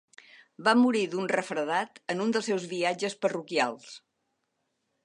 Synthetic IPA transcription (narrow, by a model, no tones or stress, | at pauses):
bamuɾiðunrəfɾəðat̪ənund̪əlˠsɛwzβiad͡ʒəspərukialˠs